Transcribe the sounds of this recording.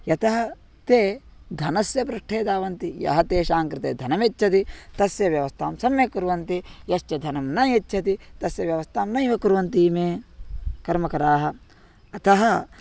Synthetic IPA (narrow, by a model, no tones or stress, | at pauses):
jɐt̪ɐɦɐ | t̪eː | d̪ʱɐnɐsjɐbɾɐʂʈʰeːd̪aːʋɐnt̪ijɐ̰ɦɐt̪eːʃaːŋkɾɪt̪ḛːd̪ʱɐnɐmetːt͡ʃʰɐt̪it̪ɐsjɐʋjɐʋɐst̪ʰaːmsɐmːekuɾuʋɐnt̪ijɐʃt͡ʃɐd̪ʱɐnɐmnɐetːt͡ʃʰɐt̪it̪ɐsjɐʋjɐʋɐst̪ʰaːmnɐjʋɐkuɾuʋɐnt̪imeːkɐɾmɐkɐɾaːɦɐ | ɐt̪ɐɦɐ